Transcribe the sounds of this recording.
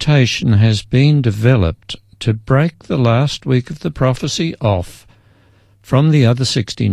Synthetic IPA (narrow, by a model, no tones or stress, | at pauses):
tʰeɪʃɨ̃n̩ɨzbĩndɨvɛlˠə̰p̚ | tʰɨbɹeɪk̚ðəlæst̚wikʌvðɨpʰɹ̥ɑfəsiʔɔf | ɹʌ̃mðiʌðə˞sɪkstḭn